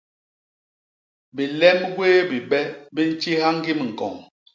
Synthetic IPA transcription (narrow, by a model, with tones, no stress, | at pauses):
bi˨lɛ˦mɡweː˦bi˨bɛ˦bi˦n̩˦t͡ʃi˦ha˦ŋ˦ɡi˦mi˨ŋ̩˨kɔ˨ŋ